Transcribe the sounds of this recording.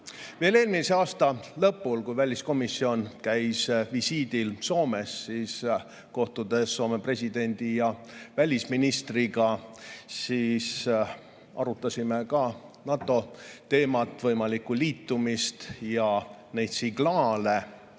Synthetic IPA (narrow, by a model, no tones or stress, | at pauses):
vele̞ːlmiseɑːst̪ɑlɤ̞pːˑulkujvælʲisko̞misːio̞nkæjsvisiːd̪̥ilso̞ːme̞sːiːs | ko̞ht̪ud̪̥e̞sːo̞ːme̞pre̞sʲid̪̥e̞nʲd̪̥ijɑvælʲisminist̪riɡɑsiːs | ɑ̰ɾut̪ːˑɑsʲimekɑnɑt̪ˑːo̞t̪e̞ːmɑt̪ːˑvɤjmɑlikːuliːt̪ːumist̪jɑne̞jd̪̥siɡ̥lɑːle